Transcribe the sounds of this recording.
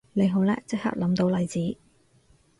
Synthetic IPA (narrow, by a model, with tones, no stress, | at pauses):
nle˨˧jɦo˨˥wlɛː˥t͡sɪ˥k̚ha̰ː˨˧k̚lɐ˨˥mt̪o˨˧˥wlɐ˨˧jt͡siː˨˥